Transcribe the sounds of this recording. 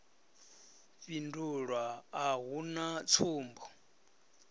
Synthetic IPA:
ɸinduɺwaːɦunat͡sʰuːmbɔ

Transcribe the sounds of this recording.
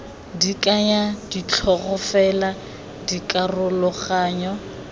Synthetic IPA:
dikʼaɲadit͡ɬʰɔɣʊfɛla | dikʼarʊlɔχaːɲɔ

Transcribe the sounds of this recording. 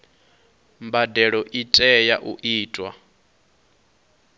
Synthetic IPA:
mbadɛɺɔʔitʼɛjaʔuʔiːtʼwa̰

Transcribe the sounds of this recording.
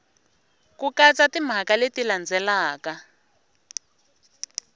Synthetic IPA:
kukat͡satim̤akaletiland͡zɛlaːka

